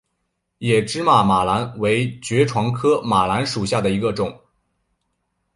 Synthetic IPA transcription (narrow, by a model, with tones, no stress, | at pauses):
jɛ˨˩ʈ͡ʂɻ̩˥ma˥˩ma˨˩la˧˥nwe˧˥ɪt͡ɕɥɛ˧˥ʈ͡ʂʰwɑ˧˥ŋkʰɤ˥ma˨˩la˧˥nʂu˨˩ɕja˥˩d̪ə˩i˧˥ɡə˧ʈ͡ʂʊ˨˩˦ŋ